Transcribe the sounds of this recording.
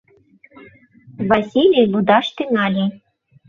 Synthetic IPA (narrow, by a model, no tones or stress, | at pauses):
vasʲilʲijlˠud̪ɑʂt̪ɨnɑlʲi